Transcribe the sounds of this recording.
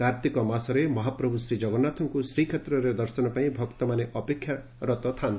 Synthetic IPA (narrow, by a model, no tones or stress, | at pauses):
kaɾt̪ikɔmasɔɾemɔɦapɾɔbʱusɾid͡ʒɔɡɔnat̪ʰɔŋkusɾikʰet̪ɾɔɾed̪ɔɾsɔnɔpaĩbʱɔkt̪ɔmaneʔɔpekʰːja | ɾɔt̪ɔt̪ʰant̪i